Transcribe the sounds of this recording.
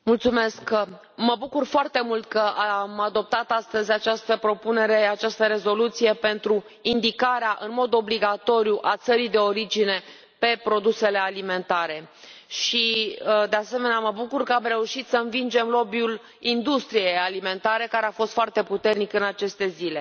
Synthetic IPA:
mult̪sume̞sk | məbukurfoart̪e̞mult̪̚kəaamad̪o̞p̚t̪at̪ast̪əzʲat͡ʃast̪əpɾo̞pune̞ɾe̞at͡ʃast̪əɾe̞zo̞lut̪sije̞pe̞nt̪ɾu | ind̪ikaɾeaʔɨnmo̞d̪o̞bliɡat̪o̞ɾijuʔat̪səɾid̪eo̞ɾid͡ʒine̞ | pe̞pɾo̞d̪use̞le̞alime̞nt̪aɾe̞ | ʃid̪e̞ase̞me̞neaməbukurkəamre̞uʃit̪səɨnvind͡ʒe̞mlo̞biul | ind̪ust̪ɾijejalime̞nt̪aɾe̞kaɾe̞afo̞st̪foart̪e̞put̪e̞rnikɨnat͡ʃe̞st̪e̞zile̞

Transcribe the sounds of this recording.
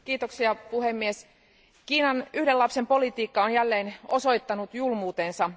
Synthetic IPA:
kiːt̪oksiɑpuhemːies | kiːnɑnyhdelɑpse̞mpo̞lit̪iːkːɑonjælːe̞ːno̞so̞jt̪ːɑnut̪julmuːt̪ensɑ

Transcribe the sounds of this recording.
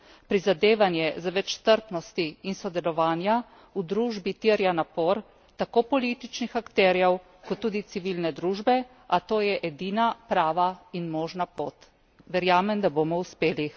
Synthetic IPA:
pɾizad̪eːʋanjɛzaʋɛt͡ʃst̪əɾpnɔst̪iːnsɔd̪ɛlɔʋaːnja | ud̪ɾuːʒbit̪iːɾjanapoːɾ | t̪akoːpɔlit̪it͡ʃnixakt̪ɛːɾjɛw | kɔt̪ːuːd̪it̪siʋilnɛd̪ɾuːʒbɛ | at̪oːjɛʔɛd̪iːnapɾaːʋainmɔːʒnapoːt̪ | ʋɛɾjaːmɛnd̪aboːmɔuspeːli

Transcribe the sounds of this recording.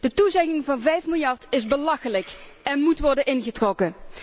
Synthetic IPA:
d̥ətuzɛkɪŋvɑnvɛjfmɪlˠjɑrtɪzbəlɑxələkɛnmutʋɔɹdənɪnχətrɔkə

